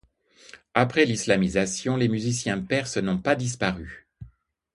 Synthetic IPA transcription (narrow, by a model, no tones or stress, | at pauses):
apχɛlislamizasjɔ̃lemyzisjɛ̃pɛʁsənɔ̃pad̪is̬paʁy